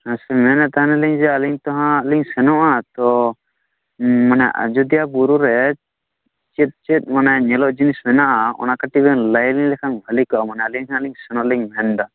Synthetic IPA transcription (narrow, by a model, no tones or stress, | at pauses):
nãsɛmɛnɛt̪aɦãnɛliɲd͡ʒɛaliɲt̪ɔɦãliɲsɛnɔʔat̪ɔ | manɛʔa̰d͡ʒud̪ijabuɾuɾɛ | t͡ʃɛt̪̚ˀt͡ʃɛt̪̚ˀmanaɲɛlɔʔd͡ʒinismɛnaʔaɔ̰nakaʈibɛnlajliŋlɛkʰanbʱəlikɔʔamanɛaliɲkʰanaliŋsɛnɔʔliɲmɛnd̪a